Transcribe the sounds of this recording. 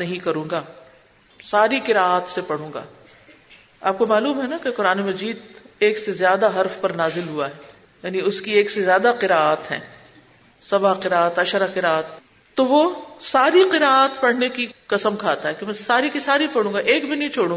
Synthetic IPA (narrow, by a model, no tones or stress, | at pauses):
nɐɦĩkɐɾũːŋɡaː | saːɾikɪɾaːaːt̪sepɐɽ̤ũːŋɡa̰ː | aːp̚komaːluːmɦɛnakeqʊɾaːnemɐd͡ʒiːd̪eːksezjaːd̪aɦɐɾfpɐɾnaːzɪlɦuaɦɛː | jaːniʊskieːksezjaːd̪aqɪɾaːaːt̪ɦɛ̰̃ː | sɐbaqɪɾaːt̪ɐʃəɾaqɪɾaːət̪ː | oʋosaːɾiqɪɾaːaːt̪pɐɽ̤nekiqɐsəmkʰaːt̪aɦɛkemɛ̃ːsaːɾikisaːɾipɐɽ̤ũːŋɡaʔeːkbʱinĩt͡ʃʰoːɽũːɡ